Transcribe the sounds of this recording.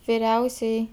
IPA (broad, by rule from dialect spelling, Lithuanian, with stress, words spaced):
ʋʲɪˈrʲɛʊsʲɛjɛɪ